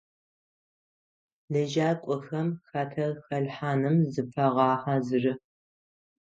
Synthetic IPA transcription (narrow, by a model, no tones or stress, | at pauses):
lɐʒaːkʷʼʊxɐmxɐtʰɐxɐɮħaːnɨmzɨpʰɐʁɑːħazɨrɨ